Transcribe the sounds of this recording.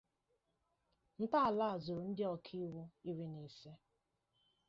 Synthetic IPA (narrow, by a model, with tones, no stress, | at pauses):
n̩˦ta˦a˨la˦a˨zo˨ɾʊ˨n̩˦dɪ˦ɔ˦kʰi˦wu˦i˦ɾi˦ni˨se˦